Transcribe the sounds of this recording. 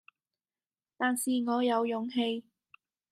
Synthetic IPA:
t̪aː˨nsiː˨ŋɔː˨˧jɐ˨˧wjʊ˨˥ŋɦe˧j

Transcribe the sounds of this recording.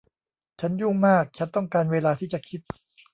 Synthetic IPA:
t͡ɕʰa˦˥nju˥˩ŋmaː˥˩k̚t͡ɕʰa˦˥nt̪ɔ˥˩ŋkaː˧nweː˧laː˧t̪ʰiː˥˩t͡ɕa˨˩kʰi˦˥t̪̚

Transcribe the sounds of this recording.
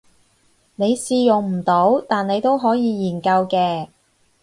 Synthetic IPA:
ne˨˧jsiː˧jʊ˨˩ŋm̩˨˩t̪o˨˥wt̪aː˨ne˨˧jt̪o˥wɦɔː˨˥jiː˨˧jiː˨˩nkɐ˧wkɛː˧

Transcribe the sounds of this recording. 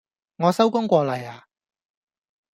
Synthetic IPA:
ŋɔː˨˧sɐ˥wkʊ˥ŋkʷɔː˧lɐ˨˩jaː˨˧

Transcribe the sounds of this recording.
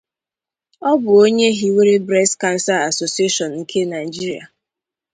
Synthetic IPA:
ɔ˦bʊ˨o˦ɲe˦ɦi˦we˦ɾe˦bɾɛ˦ska˦n̩˦sa˦a˨so˨si˦e˦ʃɔ˨nŋ̩˦kʰe˦na˨i˨d͡ʒi˦ɾi˨a̰˨

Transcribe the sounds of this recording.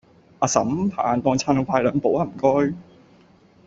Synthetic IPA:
ʔaː˧sɐ̰˨˥mpʰa̰ː˨nt̪ɔː˧ŋt͡sʰaː˧nɔ˧faː˧jlœː˨˧ŋpo˨˥waː˧˩m̩˨˩kɔː˥j

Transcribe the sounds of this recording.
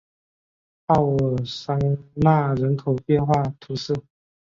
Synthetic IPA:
ɑ˥˩ʊ˨˩sa˥ŋna˥˩ɻə˧˥nk̪ʰo˨˩ʊpjɛ˥˧nxwa˥˩t̪ʰu˧˥s̩˥˩

